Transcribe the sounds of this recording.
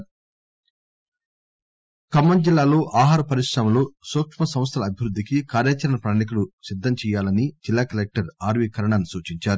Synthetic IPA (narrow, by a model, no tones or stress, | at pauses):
kɐmːɐnd͡ʒilːaːlo̞ːʔaːɦaːɾɐpɐɾiʂɾɐmɐlo̞ːsoːkʂmɐsɐm̃s̬t̪ʰɐlɐːbʱiʋɾud̪ːikikaːɾjaːt͡ʃɐɾɐɳɐpɾaːnik̬ulusid̪ʱːɐmt͡ʃɛːjaːlɐnid͡ʒilːaːkɐlek̚ʈɐɾaːɾʋiːkɐɾɐɳanusuːt͡ʃiɲt͡ʃaːɾu